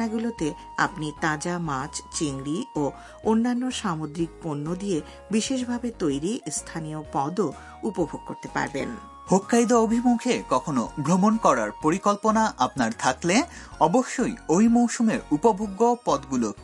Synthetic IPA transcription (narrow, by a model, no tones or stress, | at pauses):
aɡulot̪e | a̰pnit̪ãd͡ʑamat͡ɕt͡ɕiŋɡɾio | onːanːoʃamod̪ɾik̚ponːod̪ie | biʃeʃ̬bʱabet̪ojɾist̪ʰaniopɔd̪o | upobʱoɡ̚koɾt̪epa̰ɾbḛn | bʱokːajd̪oobʱimukʰekɔkʰonobʱɾomonkɔɾaɾpoɾikolponaʔapnaɾt̪ʰakle | ɔboʃːojojmowʃumeɾupobʱoɡːopɔd̪ɡulo